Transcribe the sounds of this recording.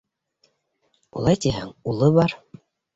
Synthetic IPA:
ulˠɑjt̪iɦæ̰ŋulˠɤβɑɾ

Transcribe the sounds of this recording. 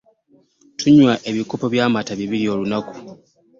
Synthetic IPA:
tʰuɲwaʔe̞βikopoβjaːmataβiβilio̞ːlunaku̥

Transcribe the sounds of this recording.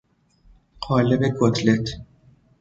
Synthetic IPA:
ɢɒːlebekʰot̪ʰlet̪ʰ

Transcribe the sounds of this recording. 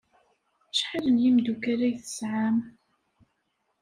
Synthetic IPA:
t͡ʃːħələnjimd̪ukaɾæjθə̥sʕam

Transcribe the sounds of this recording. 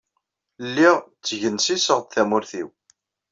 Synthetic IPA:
lːiʁt͡sːəʝənsisəʁd̪θæmʊɾθiw

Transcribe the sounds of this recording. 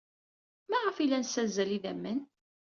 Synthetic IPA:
mæʁəfilænsæzːæliðæmːən

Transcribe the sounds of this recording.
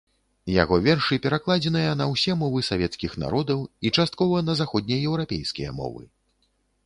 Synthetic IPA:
ja̰ɣɔvʲɛrʂɨpʲɛɾaklˠad͡zʲɛnɨjɐnɐwsʲɛmɔvɨsavʲɛt̪skʲixna̰ɾɔd̪ɐwit͡ʂast̪̚kɔvɐnɐzaxɔd̪̚ʲnʲijɐjɛwɾapʲejskʲijɐ̰mɔ̰vɨ̰

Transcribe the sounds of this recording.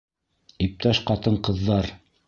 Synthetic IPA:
ip̚t̪æʃqɑt̪ɤɴqɤ̆ðːɑɾ

